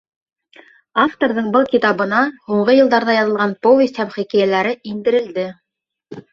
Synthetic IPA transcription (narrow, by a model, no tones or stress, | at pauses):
ɑft̪oɾðɤɴbɤlˠkit̪ɑβɤ̆nɑhuɴʁɤjɤ̆lˠd̪ɑɾðɑjɑðɤ̆lˠʁɑnpovʲesʲt̪hæmχikæjælæɾɘind̪ɘ̆ɾɘ̆ld̪ɘ